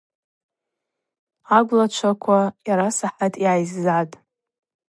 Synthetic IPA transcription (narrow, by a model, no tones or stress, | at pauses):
aɡʷlat͡ʃʷʰakʷʰajaɾasaħatʼiajzːatʼ